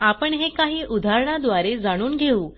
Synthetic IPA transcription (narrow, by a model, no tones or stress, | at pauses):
apəɳɦekaɦiːʔud̪ʱaɾɳad̪ʋaɾed͡zaɽ̃uːnɡʱeuː